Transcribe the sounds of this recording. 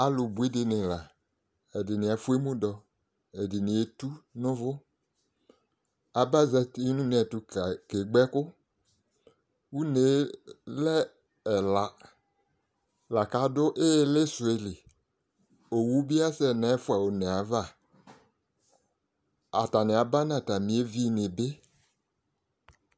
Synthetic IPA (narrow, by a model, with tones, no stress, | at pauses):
a˨lʊ˨bu˨˦i˦dɪ˨nɪ̃˨la˨ | ɛ˨dɪ˨nɪ̃˨a˨fu˦e˦mũ˦dɔ˨ | ɛ˨dɪ˨nɪ̃˨e˨tu˦nʊ̃˦vʊ˦ | a˨ba˦zɛ˦tnũ˦nɪ̃˨ɛ˨tʊ˨ke˨ɡ͡bɛ˦kʊ˦ | wu˦ne˨˦lɛ˦ | ɛ˨la˨ | la˨ka˨˦dʊ˦ʔe˦le˦sʊ˨e˨li˨ | o˨wu˦bi˦a˦sɛ˦nɛ˨˦fʊ˦a˨wo˨nɛ˨a˨va˦ | a˨ta˨nɪ˨a˨ba˦nã˨ta˨mĩ˨˦e˦vi˦˨nɪ˨be˦